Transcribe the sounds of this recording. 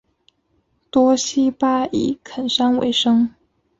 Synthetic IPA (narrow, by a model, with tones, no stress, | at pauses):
t̪wɔ˥ɕi˥pa˥˩ḭ˨˩kʰə˨˩nʂa˥nwḛ˧˥ɪʂɤ˥ŋ